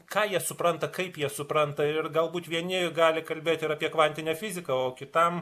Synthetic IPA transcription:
kɑːjiɛsʊpɾɐnt̪ɐkɐɪpjiɛsʊpɾɐnt̪ɐɪrɡɐlˠbuːt̪ʋʲiɛnʲɪɡɑːlʲɪkɐlʲbʲeːt̪ɪɾɐːpʲiɛkʋɐnʲt̪ʲɪnʲɛfʲɪzʲɪkɐoːkʲɪt̪ɐm

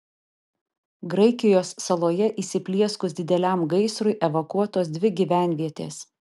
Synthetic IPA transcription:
ɡɾɐɪkʲɪjoːsːɐlˠoːjɛʔiːsʲɪpʲlʲiɛskʊsd̪ʲɪd̪ʲɛlʲæˑmɡɐɪsɾʊɪʔɛʋokuɔt̪oːs̬d̪ʲʋʲɪɡʲiʋʲæˑnʲʋʲiɛt̪ʲḛːs

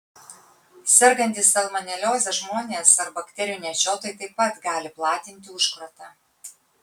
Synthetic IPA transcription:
sʲɛɾɡɐnʲt̪ʲɪsɐlˠmɐnʲɛlʲoːzʲɛʒmoːnʲeːsɐɾbɐkt̪ʲɛɾʲɪjʊnʲit͡ʃʲoːt̪oːjt̪ɐɪpɐt̪ɡɑːlʲɪplˠɑːt̪ʲɪnʲt̪ʲɪʊʃkɾot̪ɑ

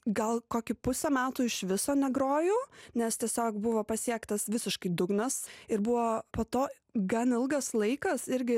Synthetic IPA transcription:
ɡɐlˠkoːkʲʊpʊsʲɛmʲæːt̪uːɪʃʋʲɪsoːnʲɛɡɾoːjoːnʲɛst̪ʲiɛsʲoːkbʊʋoːpɐsʲiɛkt̪ɐsʋʲɪsʲɪʃkɐɪd̪ʊɡnɐsɪɾbʊʋoːpoːt̪oː | ɡɐnɪlˠɡɐslˠɐɪkɐsɪɾʲɡʲɪ

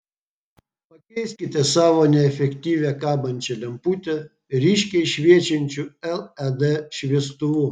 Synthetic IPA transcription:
pɐkʲɛɪsʲkʲɪt̪ʲɛsɑːʋoːnʲɛɛfʲɛkʲt̪ʲiːʋʲɛkɑːbɐnʲt͡ʃʲɛlʲɛmpuːt̪ʲɛ | ɾʲiːʃʲkʲɛɪʃʲʋʲiɛt͡ʃʲɛnʲt͡ʃʲuɛlˠɛd̪ɛʃʲʋʲiɛst̪ʊʋuː

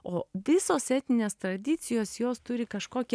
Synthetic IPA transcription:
oːʋʲɪsoːsɛːt̪ʲnʲɪnʲeːst̪ɾɐd̪ʲɪt̪sʲɪjoːsjoːst̪ʊɾʲɪkɐʃkoːkʲɛ

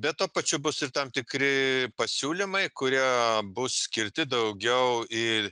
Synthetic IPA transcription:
bʲɛt̪̚t̪uɔpɐt͡ʃʲʊbʊsɪɾt̪ɐmt̪ʲɪkɾʲɪpɐsʲuːlʲɪmɐɪkʊɾʲiɛbʊssʲkʲɪɾʲt̪ʲɪd̪ɐʊɡʲɛʊɪ

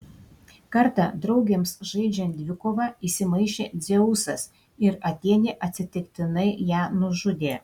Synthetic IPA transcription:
kɐɾt̪ɑd̪ɾɐʊɡʲeːmsʒɐɪd͡ʒʲɛnʲd̪ʲʋʲɪkoːʋɑiːsʲɪmɐɪʃʲeːd̪zʲɛʊsɐs | ɪɾɐt̪ʲiɛnʲeːʔɐt̪ʲsʲɪt̪ʲɪkt̪ʲɪnɐɪjæːnʊʒʊd̪ʲeː

